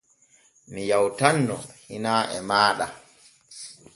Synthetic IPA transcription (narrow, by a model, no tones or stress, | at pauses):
mijawtanːɔ̰hinaːʔɛmaːɗa